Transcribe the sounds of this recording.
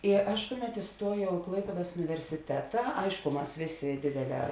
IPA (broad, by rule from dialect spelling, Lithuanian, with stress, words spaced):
ɪ ˈɐʃ ˈkʊˌmʲɛt ɪˈstuɔjɛʊ ɪ ˈklˠɐɪpʲeːdɐs ʊnʲɪʋʲɛrʲsʲɪˈtʲæːtɐ ˈɐɪʃkʊ ˈmɐs ˈʋʲeːˌsʲeː ˈdʲeːdʲeːˌlʲɛː